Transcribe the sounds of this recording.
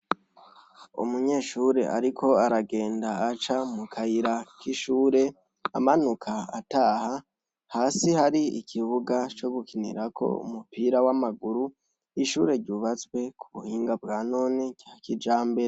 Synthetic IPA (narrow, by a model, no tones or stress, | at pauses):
ṵmuɲe̞ːʃuːɾe̞̰ʔa̰ɾikʰo̞aɾaɡe̞ːndaːt͡ʃamukʰaiɾakiʃuːɾe̞ | a̰manukʰaa̰taːha | haːsihaɾiḭkʰiβuɡat͡ʃo̞ɡukʰinḭɾakʰo̞̰ṵmupiːɾawamaɡuɾu | iʃuːɾe̞ɾɟuːβat͡swe̞kʰuβuhiːŋɡab̚ɡaːno̞ːniɡjaːkid͡ʒaːmbeɾ